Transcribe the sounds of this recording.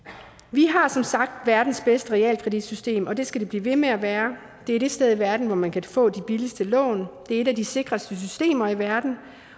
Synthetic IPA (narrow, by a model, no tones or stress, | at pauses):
ʋiɦɑ̈sɒ̽msɑ̈ɡ̥̚d̥ʋæɐd̥n̩sb̥esd̥əʁɛɛ̰ːlkʰʁɛd̥id̥sysd̥e̝̰ːmɒ̽d̥e̝sɡ̥æd̥e̝b̥lḭːʋe̝meæʋæːɐ | d̥e̝æɐd̥e̝sd̥eð̞ˠiʋæɐd̥n̩ʋɒmænkʰæfɔ̰̽ːd̥ib̥iləsd̥əlɔ̰̽ːnd̥e̝æɐe̝ɾæd̥ise̝ɡ̥ʁɐsd̥əs̬ysd̥e̝̰ːmɐiʋæɐd̥n̩